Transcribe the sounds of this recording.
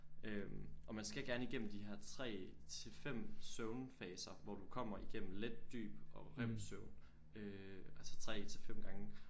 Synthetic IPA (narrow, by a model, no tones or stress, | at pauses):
ʔømɒ̽mænsɡ̥æɡ̥æɐniɡ̥en̰m̩d̥ihæɐ̰t͡sʰʁɛ̰ːt͡sʰe̝lfem̰sœʊnfɛːsɐʋɒd̥ukʰɒ̽m̰ɐiɡ̥en̰m̩led̥̚ːy̰ːb̥ɒ̽ʁem̰søʊn | øælsə̥t͡sʰʁɛ̰ːt͡sʰe̝lfem̰ɡ̥ɑ̈ŋə